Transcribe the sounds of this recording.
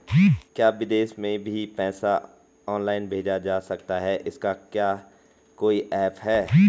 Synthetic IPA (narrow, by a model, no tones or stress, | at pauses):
kjaːʋɪd̪eːʃmẽbʱipɛ̃ːsa | ɔːnlaːɪnbʱeːd͡ʒad͡ʒaːsɐk̚t̪aɦɛʔɪskakjaː | koːiʔɛːpɦɛː